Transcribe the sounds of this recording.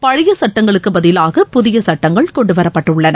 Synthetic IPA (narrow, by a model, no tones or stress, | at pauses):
pɐɻɪjɐsɐʈːɐŋɡɐɭɯkːɯbɐðɪlaːɣɐpʊðɪjɐsɐʈːɐŋɡɐɭkɔɳɖɯʋɐɾɐpːɐʈːɯɭːɐnɐ